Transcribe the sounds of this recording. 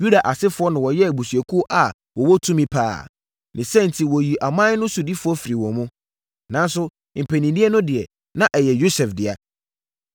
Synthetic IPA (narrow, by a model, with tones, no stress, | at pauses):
ju˦da˨ʔa˨sɪ˦fʊ˨ɔ˦nã˨wɔ˨jɛ˦æ˨bu˨sɥɛ˨kʰu˦ɔ˦ʔa˨ | wɔ˨wɔ˦tʰũ˦mĩ˦pʰa̰ː˦˨ | nʔɪ̃˨sɛ̃˦n̩˨tʰi˨wɔ˨ji˨ʔa˨mã˦nʊ̃˦su˨di˦fʊ˨˦ɔ˦fi˨ɾi˨wɔ̃˨mʊ̃˦ | nã˦n˦sʊ˦ | m̩˨pʰɛ˨nĩ˨di˦ɛ˦nʊ̃˦dɪ˨ɛ˨ | nã˦ʔɛ˨jɛ˨jo˦sɛ˨fdɪ˨a˨